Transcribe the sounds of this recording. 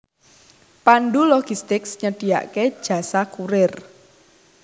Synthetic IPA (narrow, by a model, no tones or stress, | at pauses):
panɖulɔɡ̥ist̪ɪksɲəɖ̥i̤ja̰ʔked̥ʒ̥ä̤sakuɾɪr